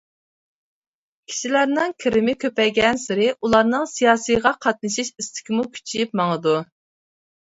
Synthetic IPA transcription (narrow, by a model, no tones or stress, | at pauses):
kʲʰi̥ʃilæɾnɪŋkʲʰɪɾɪmɪkʲʰøpɛɡʲɛnsɪɾɪʔulˠɑɾnɨŋsijɑːsɨjʁɑqʰɑt̪̚nɨʃiʃist̪ʰɪ̥kʲimukʲʰy̥t͡ʃʰijip̚mɑŋəd̪u